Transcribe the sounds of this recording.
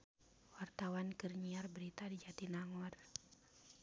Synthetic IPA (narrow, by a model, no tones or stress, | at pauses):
wart̪awankɨrɲiarbəɾit̪adid͡ʒat̪inaŋɔr